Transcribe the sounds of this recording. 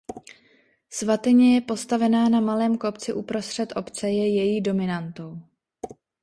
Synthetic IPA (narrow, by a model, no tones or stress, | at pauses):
svat̪ɪɲɛjɛpo̞st̪avɛnaːnamalɛːmko̞pt͡sɪʔupɾo̞st̪r̝̥ɛt̪ʔo̞pt͡sɛjɛjɛjiːdo̞mɪnant̪o̞w